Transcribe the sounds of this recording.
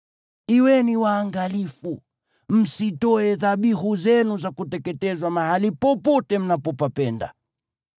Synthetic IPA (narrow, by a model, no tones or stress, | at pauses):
iwɛniwaːŋɡalifu | m̩sitɔɛðaɓiɦuzɛnuzakutɛkɛtɛzwamahalipɔpɔtɛm̩napɔpapɛnda̰